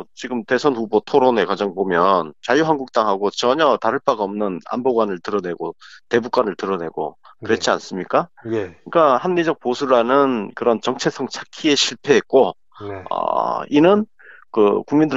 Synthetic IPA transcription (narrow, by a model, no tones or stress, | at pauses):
t͡ɕiɡɯmte̞sʰʌnɸubotʰoɾone̞kwad͡ʑaŋpomjʌnt͡ɕajuɦanɡuk̚t͈aŋɦaɡot͡ɕʌɲʌtaɾɯɭp͈aɡaʌmnɯna̰mboɡwanɯɭtɯɾʌne̞ɡote̞buk͈wanɯɭtɯɾʌne̞̰ɡo̰kɯɾet͡ɕʰia̰ns͈ɯmɲik͈akɯik͈ahamnid͡ʑʌk̚p͈osʰuɾanɯnkɯɾʌnt͡ɕʌŋt͡ɕʰe̞sʰʌŋt͡ɕʰakʰie̞ɕʰiɭpʰe̞ɦet̚k͈o | ʌ̰inɯn | kɯkuŋmindɯ